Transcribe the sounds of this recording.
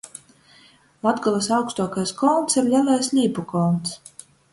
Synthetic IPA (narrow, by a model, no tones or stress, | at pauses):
lˠad̪ɡɔlˠasawkst̪uɔkajskɔːnt̪siɾlʲalˠajsʲlʲiːpukɔːnt̪s